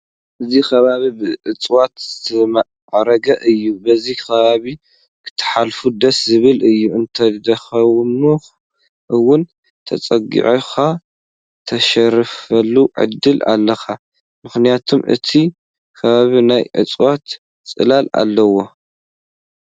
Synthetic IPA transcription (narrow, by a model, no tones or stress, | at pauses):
ʔɨzikʰɐβaβibɨʕɨt͡sʼwat̪zɨt̪ʰɐm | ʕɾɐɡɐʔɨjːubɐzikʰɐβaβi | kʰɨ̥t̪ʰːɨ̥ħalfud̪ɐszɨβɨlɨjːuɨnt̪ʰɐd̪ɐxɐwnu | ʔɨwʊn | t̪ʰɐt͡sʼɐɡḭʕixa | t̪ʰɐʃɐɾfɐlːuʕɨ̰d̪ːɨla̰lːɐxa | mɨxnijat̪ʰumʔɨ̰t̪ʰi | kʰɐβaβinajʕɨ̰t͡sʼwat̪ | t͡sʼɨ̰lala̰lːɐwo̞